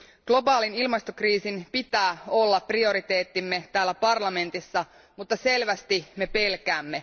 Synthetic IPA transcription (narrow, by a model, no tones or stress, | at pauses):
ɡ̥lo̞bɑːlinilmɑst̪okriːsinpit̪æːo̞lːɑpːrio̞ɾit̪e̞ːt̪ːimːe̞t̪æːlːæpɑrlɑme̞nt̪isːɑ | mut̪ːɑse̞lʋæst̪ime̞pe̞lkæːmːe̞